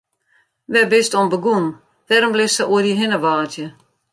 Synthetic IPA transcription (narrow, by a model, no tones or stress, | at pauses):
ʋɛbɪstonbəɡun | d̥ɛɾmblɪsəʔuədiɦɪnəʋaːtjə